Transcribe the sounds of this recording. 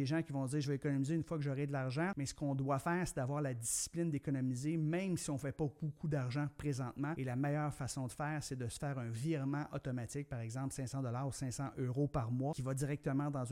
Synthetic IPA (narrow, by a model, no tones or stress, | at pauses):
eʒãkʲivɔ̃d͡zziːʁʒəvɛekɔnɔmizeynfwakəʒɔʁɛd̪əlaʁʒɑ̃mɛsə̥kɔ̃d̪wafɛːʁsed̪avwaːʁlad̪isi̥plɪnd̪ekɔnɔmizemɛ̃msiɔ̃fɛpɔb̥okʰud̪aʁʒɑ̃pʁezɑ̃t̪mãelamɛjœːʁfasɔ̃d̪əfɛːʁsed̪əsə̥fɛːʁœ̃viʁmãʔɔt̪ɔmat͡sɪk̚paʁɛɡzɑ̃plsɛ̃sɑ̃d̪ɔlaːʁusɛ̃sɑ̃ʔøʁopaʁmwakʲivadziʁɛk̚t̪əmãd̪ɑ̃z